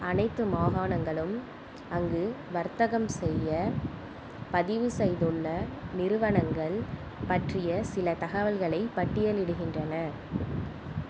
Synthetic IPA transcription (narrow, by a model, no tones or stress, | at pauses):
ɐnɐɪt̪ːɯmaːɣaːnɐŋɡɐɭɯm | ɐŋɡɯʋɐɾt̪ɐɣɐmsɛjːɐ | pɐðɪʋɯsɛjðɯɭːɐnɪɾɯʋɐɳɐŋɡɐɭ | pɐʈrɪjɐsɪlɐt̪ɐɣɐʋɐlɣɐɭɐɪpːɐʈːɪjɐlɪɽɯɣɪndrɐnɐ